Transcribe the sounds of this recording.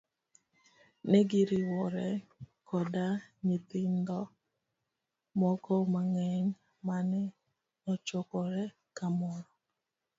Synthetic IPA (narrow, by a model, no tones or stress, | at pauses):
nɛɡɪɾɪwɔɾɛkʰɔdaɲit̪ɪnd̪ɔ | mɔkɔmaŋɛɲ | manɛ | ɔt͡ʃɔkɔɾɛ | kamɔɾɔ